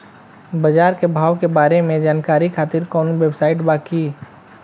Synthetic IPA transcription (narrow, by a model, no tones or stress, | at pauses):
bɐd͡ʒaːɾkebʱaːʋkebaːɾemẽd͡ʒaːnkaːɾikʰaːt̪ɪɾkɔːnʋebsaːɪʈbaːkiː